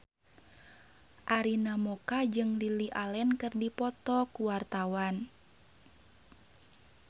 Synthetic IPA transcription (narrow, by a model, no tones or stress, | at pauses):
ʔaɾinamɔkad͡ʒɨŋliliʔalɛnkɨrdipɔt̪ɔkuwart̪awan